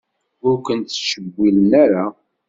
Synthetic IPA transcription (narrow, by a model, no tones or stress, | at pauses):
ʊɾkʷənt̪ʃəbːilənaɾa